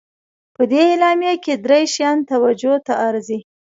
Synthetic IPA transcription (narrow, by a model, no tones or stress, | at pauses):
pəd̪eːlɑmjaked̪ɾejʃjɑnt̪awad͡ʒot̪aʔaɾzi